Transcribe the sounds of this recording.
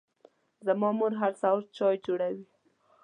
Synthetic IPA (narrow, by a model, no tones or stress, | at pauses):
zamɑmoɾɦaɾsawɾ̚t͡ʃɑjd͡ʒoɽawi